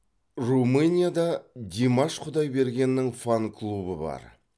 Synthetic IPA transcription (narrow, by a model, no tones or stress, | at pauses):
rumɨnʲijad̪ɑd̪ʲemɑʃqʰʊd̪ɑjbe̞ɾɡʲe̞nːɪŋfaŋkʰlˠubəbɑ̰ɾ